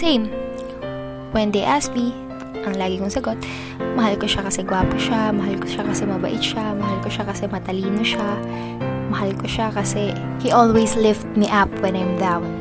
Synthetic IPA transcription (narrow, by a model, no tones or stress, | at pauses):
sẽjm | pwɛnd̪ɛʔas̚mi | ʔɐŋlaːɡɪkʊŋsɐɡo̞t̪̚ | mɐɦalkoʃakɐsɛɡwaːpoʃamɐɦalkoʃakɐsɛmɐbɐ̰ʔɪt̪ʃamɐɦalkoʃakɐsɛmɐt̪ɐliːnoʃa | mɐhalkoʃakɐsɛ | hiʔolwejslɪft̪̚miʔap̚wɛnajmd̪awn